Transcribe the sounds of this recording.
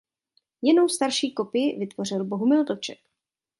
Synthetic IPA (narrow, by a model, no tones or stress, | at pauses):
jɛno̞wst̪aɾʃiːko̞pɪjɪvɪt̪vo̞r̝ɪlbo̞ɦumɪld̪ot͡ʃɛk